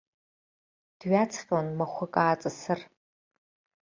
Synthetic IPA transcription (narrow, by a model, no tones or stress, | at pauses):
d̥ɥat͡sʰχʲʼonmɐχʷʊkʼaːt͡sʼɨsɨr